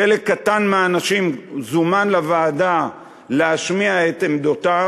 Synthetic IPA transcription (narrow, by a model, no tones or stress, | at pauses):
elekːat̪anmeaːnaʃimzumanlavaːda | leaʃmiaet̪emd̪ot̪a